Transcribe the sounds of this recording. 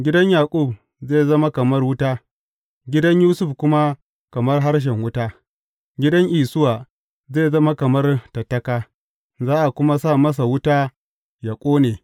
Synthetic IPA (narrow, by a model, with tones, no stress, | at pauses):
ɡʲɪ˦dɐ˦ɲjaː˨kʷʼu˦˨b | zeː˦˨zɐ˦ma˦kɐ˨mɐ˦rwʊ˦taː˦ | ɡʲɪ˦dɐ˦ɲjuː˦sʊ˦˨ɸkʷʊ˦ma˦ | kɐ˨mɐ˦rɦa˦rʃ̬ɛ˨ŋwʊ˦taː˦ | ɡʲɪ˦dɐ˦ɲʔiː˨sʊ˦waː˨ | zeː˦˨zɐ˦ma˦kɐ˨mɐ˦rtɐ˨tːɐ˦kaː˦ | zaː˦ʔa˨kʷʊ˦ma˦saː˦˨mɐ˦s̬a˨wʊ˦taː˦ | ja˨kʷʼoː˦neː˨